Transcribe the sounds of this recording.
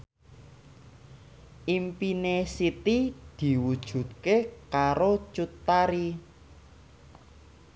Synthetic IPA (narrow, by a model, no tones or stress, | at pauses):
ʔimpinesit̪id̪̥i̤wud̥ʒ̥ṳt̪̚kekaɾot͡ʃut̪ːaɾi